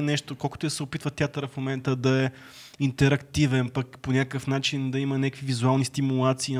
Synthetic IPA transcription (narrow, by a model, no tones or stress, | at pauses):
nɛʃt̪okɔlˠkʊ̥t̪oɐsɛopit̪vət̪ʲjat̪əɾəfmomɛnt̪əd̪ɐɛ | int̪ɛɾɐkt̪ivɛnpɐkponʲakəfnat͡ʃind̪ɐimɐnʲakvivizualˠnist̪imulˠat̪siː